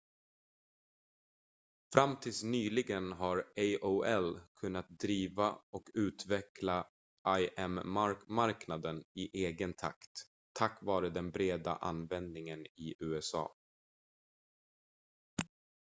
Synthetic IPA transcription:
fɾamːt̪ʰɪlsnyːlɪɡənɦaɾeɪʔoɛlkʰɵnːat̪̚d̪ɾiːvaɔkʉ̟ːt̪vɛkla | ʔajʔɛmamaɾknad̪ənɪʔeːɡənt̪ʰa̰kt̪ʰː | akːvɑːɾəd̪ɛnbɾeːd̪a̰ʔa̰nvɛnd̪̚nɪŋənɪʔʉ̟ːɛsɑ̰ː

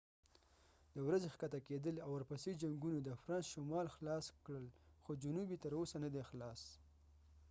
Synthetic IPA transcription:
d̪əwɾazexkat̪aked̪əlawːaɾpased͡ʒaŋɡunod̪əfɾɑnsʃomɑlxlɑskɽəlxod͡ʒʊnubit̪əɾosanad̪exlɑs

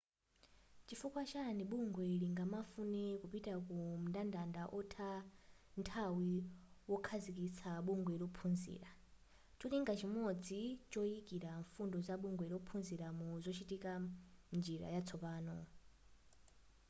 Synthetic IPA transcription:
t͡ʃifukwat͡ʃaniɓuŋɡwɛiliŋɡamafunɛkupitakum̩ndandandaʔɔtʰantʰawiwɔkʰazik̬it͡sʰaɓuŋɡwɛlɔpʰund͡zḭːɾa | t͡ʃɔliŋɡat͡ʃʰimɔd͡zit͡ʃɔikiɾaɱfundɔzaɓuŋɡwɛilɔpʰunziɾamuzʷɔt͡ʃʰitikand͡ʒiɾa̰jat͡sʰɔpaːnɔ̰

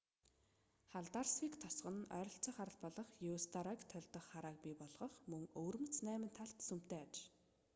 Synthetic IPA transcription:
χaɮt̪arsikt̪ʰɔsɢə̆nœːɾɞ̆ɬt͡sə̆ːχaɾə̆ɮpɔɮɞ̆χjust̪ʰaɾakt̪ʰːœɮʲt̪ɞ̆χːaɾaːk̚pʲiːpɔɮʁɞ̆χmɵŋoːrmɘ̆t͡snæːmɘ̆nt̪ʰːaɬt̪sum̥t̪eːat͡ɕ

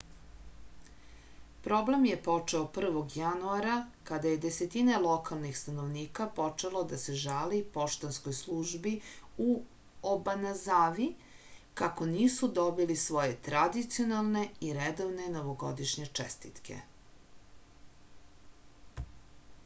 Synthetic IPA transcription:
pɾo̞ble̞mjepo̞t͡ʂeopr̩ʋo̞ɡjanuaɾakad̪aje̞d̪e̞set̪inelˠo̞kalˠnixst̪anoʋniːkapo̞t͡ʂelo̞d̪ase̞ʒalipo̞ʃt̪onsko̞jslˠuʒbiu | obanazaːʋi | kako̞niːsud̪o̞bilisʋo̞je̞t̪ɾad̪it̪sio̞nalˠne̞iɾed̪oʋne̞no̞ʋoɡod̪iʃɲe̞t͡ʂḛst̪it̪kʰḛ

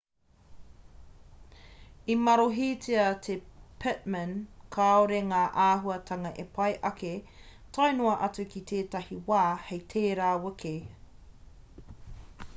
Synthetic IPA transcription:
imɐɾoɦiːt͡siɐt̪ʰepʰɪt̚mənkʰaoɾeŋaːʔaːɦuɐtʰɐŋɐʔepʰɐjʔɐke | tʰajnoɐʔɐt͡sukit̪ʰeːtɐhiwaːhejtʰeːɾaːwəkʰe

